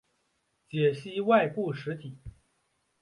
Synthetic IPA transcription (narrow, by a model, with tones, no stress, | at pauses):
t͡ɕjɛ˨˩ɕi˥wa˥˧ɪpu˥˩ʂɻ̩˧˥t̪ʰi˨˩˦